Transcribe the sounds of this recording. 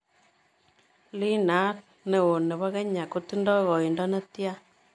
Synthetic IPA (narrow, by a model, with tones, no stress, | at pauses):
li˦na˦t̚ | ne˨wo˨nːe˨βa˦kɛ˦ɲa˨ku˦ti˦ndɔ˦kɔ˨i˨ndɔ˦ne˦tja˦